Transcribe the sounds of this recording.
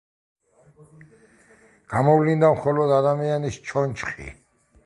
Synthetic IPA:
ɡ̥amɔvlind̪amχɔlɔd̪ad̪amianist͡ʃʰɔnt͡ʃʰχḭ

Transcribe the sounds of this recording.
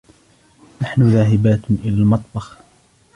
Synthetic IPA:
naħnʊðaːɦɪbaːt̪ʔɪlaːlmɑt̪ˤbɑx

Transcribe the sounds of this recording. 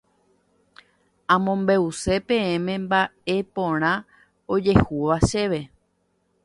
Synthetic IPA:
ãmõ̞mbe̞use̞pẽẽmẽ̞mbae̞põɾ̃ã | o̞d͡ʒe̞huʋaʃe̞ʋe̞

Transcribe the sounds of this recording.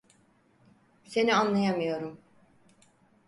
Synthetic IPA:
se̞nianlˠajamɯjo̞ɾum

